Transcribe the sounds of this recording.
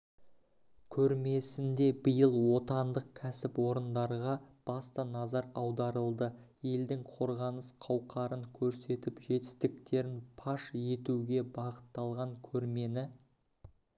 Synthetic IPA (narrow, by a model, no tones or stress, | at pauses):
kʲʰɵɾme̞sɪnd̪e̞bɪjəlˠwo̞t̪ɑnd̪əq̚kʲʰæsɪpwo̞ɾənd̪ɑɾʁɑ | b̥ɑst̪ənɑzɑɾɑwd̪ɑɾəlˠd̪ə | je̞ld̪ɪŋqʰo̞ɾʁɑnəsqʰɑwqʰɑɾəŋkʲʰɵɾse̞t̪ɪpʒe̞t̪ɪst̪ɪkt̪e̞ɾɪnpʰɑʃe̞t̪uɡʲe̞bɑʁə̥t̪ːɑlˠʁɑŋkʲʰɵɾme̞nɪ